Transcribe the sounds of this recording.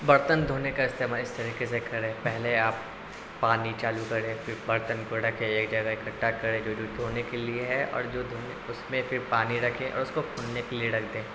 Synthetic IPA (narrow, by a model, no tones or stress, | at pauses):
bɐɾt̪ənd̪ʱoːnekaɪst̪eːmaːlɪst̪ʰəɾikes̬ekɐɾẽːpɛɦleaːpː | aːnit͡ʃaːlukɐɾẽːfɪɾbɐɾt̪ənkoɾɐkʰẽeːkd͡ʒɐɡaɪkɐʈːakɐɾẽd͡ʒoːd͡ʒoːd̪ʱoːnekelieɦɛɔ̰ːɾd͡ʒoːd̪ʱoːneʊsmẽfɪɾpaːniɾɐkʰẽʔɔ̰ːɾʊskokʰuːnnekelieɾɐkʰd̪ẽː